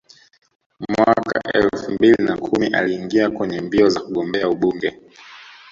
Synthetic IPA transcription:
mwaaka̰ʔɛ̰lfumbilinakʰumiʔa̰liːŋɡiakwɛɲɛmbiɔzakuɠɔmbɛauɓuŋɡɛ

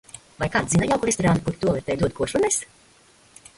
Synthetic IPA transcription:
vajkaːt̪zinajawkuɾɛst̪ɔɾaːnukuɾt̪uɔlˠiɾt̪ʲɛjd̪uɔt̪̚kuɔʃunɛs

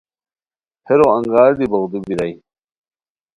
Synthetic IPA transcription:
hʰeɾoɐŋɡaːɾd̪ibɐɣd̪ubiɾaj

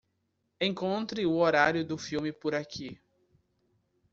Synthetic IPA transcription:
ẽkõnt̪ɾɪʊoɾaɾjʊd̪ʊfiwmɪpʊɾakʰi

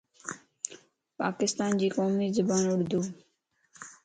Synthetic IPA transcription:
pa̰ːkɪst̪aːnd͡ʑiːkoːmiːzəbaːnʊɽd̪oː

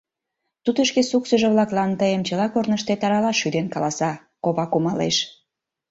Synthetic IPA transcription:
t̪ut̪əʃkesuksəʒəβlɑklɑnt̪əjemt͡ɕəlɑkornəʃt̪et̪ɑɾɑlɑʃyd̪enkɑlɑsɑ | koβɑkumɑlḛʃ

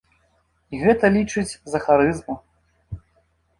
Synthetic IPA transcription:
iɣɛt̪ɐlʲit͡ʂɨt͡sʲzɐxaɾɨzmu

